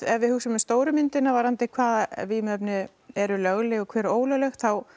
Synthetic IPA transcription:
ɛvvɪhuːxsʏmɪmst̪oːwɾʏmɪnt̪ɪnavaɾant̪ejkʰvaːðavimœpnɪ | ɛɾʏlœɣlɪɣɔkʰvɛːɾoːwlœlɛxt̪θaw

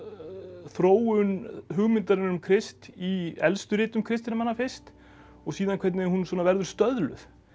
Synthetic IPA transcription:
θɾoːwʏnɦʏɣmɪnt̪aɾɪnnʏmkʰɾɪst̪iɛlst̪ʏɾɪːt̪ʏmkʰɾɪst̪ɪnamanːafɪst̪ | ɔɣsiːðankʰvɛt̪nɪhunsɔːnavɛɾðʏɾ̥st̪œðlʏ̰θ

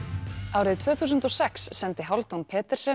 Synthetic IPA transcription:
awɾɪðt̪ʰvœːθuːs̬ʏnt̪ɔsɛksːɛnt̪ɪɦawlt̪awnpʰɛːt̪ɛɾ̥sɛ

